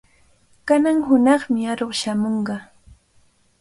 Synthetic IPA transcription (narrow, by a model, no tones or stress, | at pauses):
kanaŋɦʊnɑχmɪaɾoχʃamoɴɢɑ